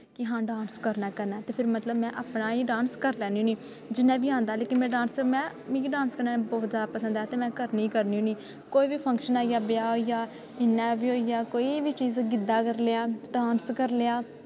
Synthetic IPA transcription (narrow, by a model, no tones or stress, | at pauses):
kɪɦãːɖãːnskəɾnaːkəɾnaːt̪eːpʰɪɾmət̪ləbmɛ̃ːʔaːpnaːiːɖãːnskəɾlɛːnĩːniː | d͡ʒɪnːãːbiːãːnd̪aːleːkɪnmɛ̃ːɖãːnsmɛ̃ːmĩːiːɖãːnskəɾnaːbɔːt̪zaːd̪apəsə̃nd̪aːt̪eːmɛ̃ːkəɾnĩːkəɾniːũːniː | koːiːbiːpʰə̃ŋkʃənaːijaːbɪjaːɦoijaː | ɪnːɛːʋiːɦoːijaːkoːibiːt͡ʃiːzɡɪd̪aːkəɾleaːɖaːnskəɾleaː